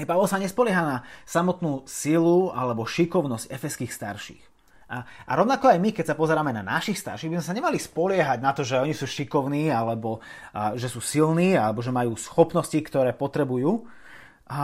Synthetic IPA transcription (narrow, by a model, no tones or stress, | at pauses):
paʋɛlsaɲɛspɔlɪɛɦaːnasamɔt̪nuːsilua̰lɛbɔʃikɔʊnɔscɛfɛskiːxst̪a̰ɾʃḭːx | aʔa̰ɾɔʊnakɔajmikɛcsapɔzɛɾaːmɛna̰na̰ʃixst̪a̰ɾʃiɣbizmɛsaɲɛmalispɔlɪɛɦaɟnat̪ɔʒɛɔɲisuːʃikɔʊniːalɛbɔʒɛsuːsilniːalɛbɔʒɛmajuːsxɔpnɔscikt̪ɔɾɛːpɔt̪ɾɛbujuː | a